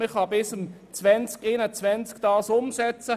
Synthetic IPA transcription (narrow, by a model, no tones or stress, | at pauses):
ɪχɑbɪsəm | t͡svɛnt͡skenət͡svɛnt͡skd̥ɑːsʊmsɛt͡sə